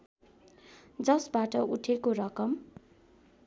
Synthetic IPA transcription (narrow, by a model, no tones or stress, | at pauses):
d͡zʌsbaʈʌuʈʰekoɾʌkʌm